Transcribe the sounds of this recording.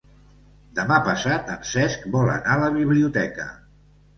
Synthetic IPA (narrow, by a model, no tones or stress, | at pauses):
d̪əmapəsat̪əmsɛskbɔlə̰naləβ̞iβliut̪ɛkə̰